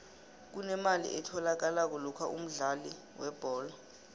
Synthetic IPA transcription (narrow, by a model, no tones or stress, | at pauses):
k̬unɛmalḭʔɛtʰɔlak̬alak̬ɔlɔkʰaʔṵm̩ɮali | wɛb̥ʱɔːla